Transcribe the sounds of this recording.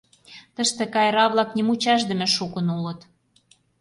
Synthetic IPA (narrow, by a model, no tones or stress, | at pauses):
t̪ə̆ʃt̪ĕkɑjɾɑβlɑknʲimut͡ɕɑʒd̪ə̆mĕʃukə̆nulət̪